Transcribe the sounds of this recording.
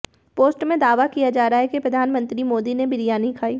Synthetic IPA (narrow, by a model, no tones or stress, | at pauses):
poːsʈmẽd̪aːʋakijad͡ʒaːɾaaɦɛkepɾɐd̪ʱaːnmə̃nt̪ɾimoːd̪inebɪɾijaːnikʰaːiː